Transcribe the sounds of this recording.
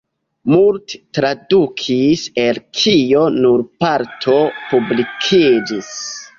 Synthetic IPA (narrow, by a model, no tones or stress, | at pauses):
multe̥tɾadukʰiselkʰio̞nuɾpaɾtʰo̞publikʰid͡ʒis